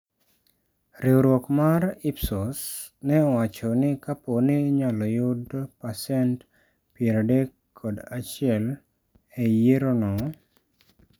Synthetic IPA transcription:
ɾewɾwɔkmaɾipsosnɛɔwat͡ʃonɪkaponɪɲalɔjʊd̪pasɛnt | pieɾadekʰːɔd̪at͡ʃɪɛl | ejeɾonɔ

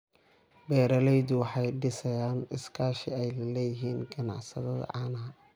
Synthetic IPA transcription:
bɛːɾɐlɛjðʊwɑħɑjɖɪsɐjaːnɪskʰaːʃɪɛjlɐlɛːjɪɦiːnɡɐnɑ̰ʕsɐðɐðɐ̰ʕɑːnɦɐ

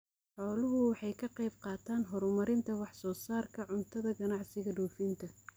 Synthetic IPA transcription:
ħɔːlʊɦʊwɑħɑjkʰɐqɑjbqɑːt̪ʰaːnɦɔɾmɐɾɪnt̪ʰɐwɑħsɔːsaːrkʰɐʕʊnt̪ʰɐðɐɡɐnɑʕsɪɣɐɖɔːfint̪ʰɐ

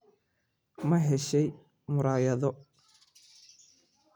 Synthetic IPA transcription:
mɐɦɛʃɛj | mʊɾaːjɐðɔ

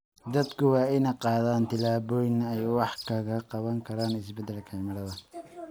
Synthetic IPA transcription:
d̪ɐd̪kʰʊwɑːɪnɐqɑːðaːnt̪ʰɪlaːβɔːjɪnɐɛjwɑħkʰɐɣɐqɑβɐŋkʰɐɾaːnɪsbɛd̪ɛlkʰɐmɪɽɐðɐ

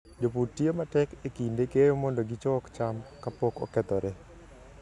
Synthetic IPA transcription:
d͡ʒoputːiematɛkekindekejomɔndɔɡit͡ʃɔkt͡ʃamkapɔkɔ̰kɛt̪ɔɾɛ

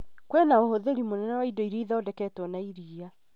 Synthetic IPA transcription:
kwɛnaohoðeɾimonɛnawaidoiɾiiðaodɛkɛtwɔnaiɾiːa

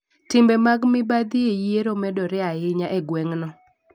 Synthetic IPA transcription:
tɪmbɛmaɡmɪbad̪iejeɾomɛdɔɾɪaɪɲaʔeɡwɛŋnɔ

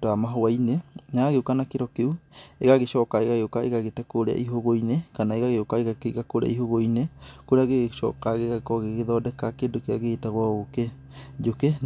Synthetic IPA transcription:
doamaɦoajneɲaaɣeukanakeɾɔkeueɣaɣeʃɔkaeɣaɣeokaeɣaɣetakoɾea̰ʔiɦoɣoinekanaeɣaɣeokaeɣakeɣakoɾḛa̰iɦoɣoinekoɾaɣeɣʃɔ̰kaɣeɣakɔɣeɣeðɔdɛkakedokeaɣetaɣwaɣoke | d͡ʒoke

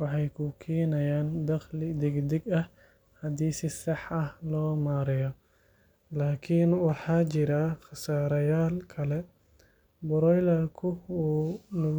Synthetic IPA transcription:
wɑħɑjkʰʊkʰiːnɐjaːnd̪ɐχlɪd̪ɛɡd̪ɛɡɐh | hɐd̪iːsɪsɑħɐhlɔːmaːɾɪjɔ | laːkʰinwɑħɑːt͡ʃɪɾaχɑsaːɾɐjaːlkʰɐlɛ | bʊɾɔjlɐrkʰʊuːnʊ

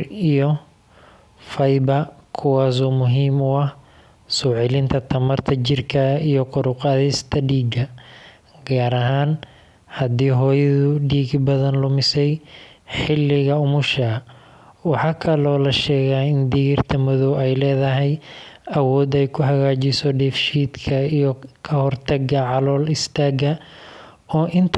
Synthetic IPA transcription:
ijɔ | fɐjbɐkʰʊwɑːs̬uːmʊɦiːmʊɐh | sɔːʕɪlɪnt̪ʰɐt̪ʰɐmɐrt̪ʰɐt͡ʃɪrkʰɐijɔqʊɾʊqɑðɪst̪ʰɐɖiːɡɐ | ɡaːɾɐɦaːn | hɐd̪iːɦɔːjɐðʊɖiːɡbɐðɐnlʊmɪsɛjħɪlːɪɣɐʊmʊʃɐ | wɑħɑːkʰɐlɔːlɐʃɛːɣaːɪnd̪iːɣɪrt̪ʰɐmʊðɔwɛjlɛːðɐɦɛjɐwɔːd̪ɛjkʰʊɦɐɣaːt͡ʃɪsɔɖɛfʃiːd̪kʰɐijɔkʰɐhɔrt̪ʰɐɡɐʕɑlɔːlɪst̪ʰaːɡɐ | ɔːʔɪnt̪ʰ

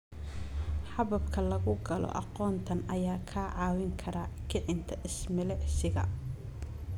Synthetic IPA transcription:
ħɑβɐbkʰɐlɐɣʊɡɐlɔ̰ʔɑ̰qɔːnt̪ʰɐnɐjaːkʰaːʕɑːwɪŋkʰɐɾɐkʰɪʕɪnt̪ʰɐʔɪsmɪlɛʕsɪɣɐ

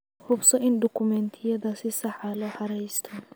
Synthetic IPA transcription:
hʊbsɔʔɪnd̪ɔkʰʊmɛnt̪ʰɪjɐðasɪsɐħalɔħɐɾɛjst̪ʰɐ

